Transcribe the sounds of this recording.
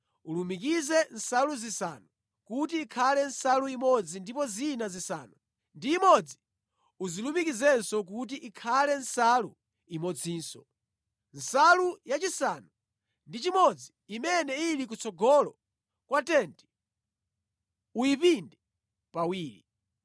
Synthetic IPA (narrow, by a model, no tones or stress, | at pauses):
ulumikizɛn̩saluzisa̰nu | kutiːkʰalɛn̩saluimɔd͡zindipɔzinazisa̰ːnu | ndiːmɔd͡zi | uzilumikizɛnsɔk̬ut̬iʔikʰalɛn̩salu | imɔd͡ziːnsɔ̰ | n̩salujat͡ʃisanu | ndit͡ʃimɔd͡ziːmɛnɛilik̬ut͡sʰɔɡɔlɔ̰ | kwatɛnti̥ | uipindɛ | pawiːɾi